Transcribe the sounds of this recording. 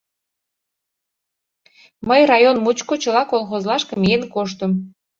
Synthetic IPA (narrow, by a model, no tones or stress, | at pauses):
məjrɑjonmut͡ɕkot͡ɕəlɑkolˠxozlɑʃkəmijenkoʃ̬t̪əm